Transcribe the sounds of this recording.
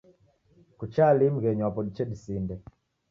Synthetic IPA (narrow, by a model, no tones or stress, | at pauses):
kut͡ʃalim̩ɣɛɲwapɔdit͡ʃɛdisindɛ